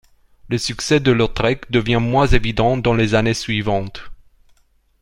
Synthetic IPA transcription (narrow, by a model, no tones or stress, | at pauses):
ləsyksɛd̪əlɔʁt̪χɛkd̪əvjɛ̃mwɛ̃zevid̪ɑ̃d̪ɑ̃lezanesɥivɑ̃t̪